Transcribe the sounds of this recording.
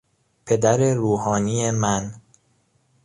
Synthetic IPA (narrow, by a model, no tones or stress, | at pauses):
pʰe̞d̪æɾe̞ɾuːɦɒːniːjemæn